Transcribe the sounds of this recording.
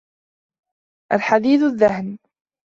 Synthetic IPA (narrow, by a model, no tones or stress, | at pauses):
ʔalħad̪iːðaðːahn